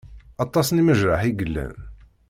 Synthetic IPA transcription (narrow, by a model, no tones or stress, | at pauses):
ɑt̪ˤːɑsniməʒɾɑħiɡəlːæ̰n